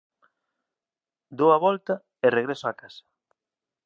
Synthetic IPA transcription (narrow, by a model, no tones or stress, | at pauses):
d̪oaβɔlt̪ɐ | ereɣɾesoakasḁ